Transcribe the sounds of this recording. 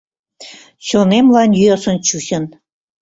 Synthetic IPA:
ɕonemlɑnjyɑsə̆nt͡ɕuɕə̆n

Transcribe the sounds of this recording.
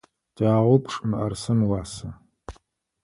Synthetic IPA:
daːʁʷʊpʰʂʼɨmɨʔɐrsɐnwɑːsɐ

